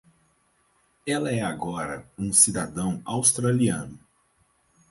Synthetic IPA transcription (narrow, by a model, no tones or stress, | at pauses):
ɛlɐɛaɡɔɾɐũsid̪ad̪ɐ̃w̃awst̪ɾaliɐ̃nʊ